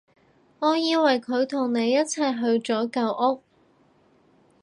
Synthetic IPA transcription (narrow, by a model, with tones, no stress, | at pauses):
ŋɔː˨˧jiː˧wɐ˨˩jkʰɵ˨˧ɥt̪ʰʊ˨˩ŋne˨˧jːɐ˥t̚t͡sʰɐ˨jɦɵ˧ɥt͡sɔː˨˥kɐ˧wʔʊ˥k̚